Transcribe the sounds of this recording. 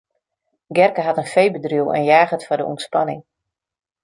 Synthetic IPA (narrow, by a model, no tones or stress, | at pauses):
ɡɛrkəɦatənfejbədrywɛ̰njaːɣətfɔdə̰ʔṵmtspanɪŋ